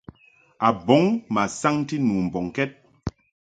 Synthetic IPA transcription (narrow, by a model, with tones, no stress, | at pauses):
a˨bɔ˨˦ŋma˨sa˦ŋ˦ti˦nu˨m̩˨bɔ˨ŋkɛ˦t̚